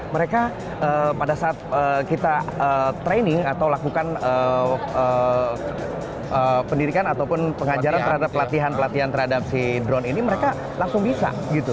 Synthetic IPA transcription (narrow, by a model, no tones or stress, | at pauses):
məɾeka | ʔəpadasaʔːt̪̚əːkit̪aət̪ɾenɪŋat̪awlakukanəə | əpəndidikanat̪awpʊnpəŋad͡ʒaɾant̪əɾhadapːəlat̪iɦanpəlat̪iɦant̪əɾhadap̚sidɾɔniniməɾeka | laŋsʊŋbisa̰ | ɡit̪u